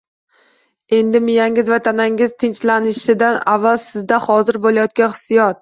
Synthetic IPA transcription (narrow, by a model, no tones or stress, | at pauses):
e̞nd̪ɪmɪjaŋɪzvat̪ʰanaŋɪzt̪ʰɪnt͡ʃlanɪʃɪd̪anavːalˠsɪzd̪ahɒzɪɾbolajɒt̪̚kʲanχɨ̥sijɒt̪̚